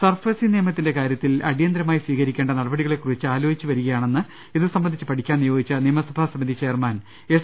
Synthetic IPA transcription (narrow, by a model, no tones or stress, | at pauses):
sɐrfesinijɐmɐt̪ːinde̞kaːɾjɐt̪ːilɐ̰ɽijɐnd̪ɾɐmaːisʋiːkɐɾikʲːe̞ːɳɖɐnɐɽɐbɐɽiɣɐɭe̞kːurit͡ɕːɨaːlo̞ːit͡ɕːɨʋɐɾuɣɐjaːɳe̞nːɨ | iðɨsɐmbɐnd̪it͡ɕːɨpɐʈʰikʲːaːnijo̞ːɡit͡ɕːɨnijmɐsɐbʱaːsɐmɐnd̪ʱit͡ɕːeːrmaːn | e